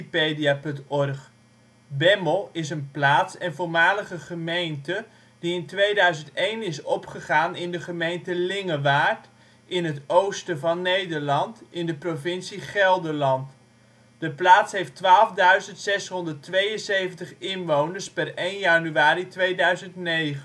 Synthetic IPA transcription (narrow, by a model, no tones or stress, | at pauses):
pejdiapɵntɔrχ | bɛməlˠɪsənplaːtsɛnvʊːɹmaːləχəχəmejntə | diɪntʋejdœɥzəntejnɪsɔpχəχaːnɪndəχəmejntəlɪŋəʋaːɹt | ʔɪnɦətowstəvɑnːejdəɹlɑntɪndəprovɪnsiχɛlˠdəlɑnt | d̥əplaːtsɦejftʋaːlˠvdœɥzəntsɛsɦɔndətʋejənsejvəntəχɪnʋownəɹspɛrejnjanyaːɾitʋejdœɥzəntnejχən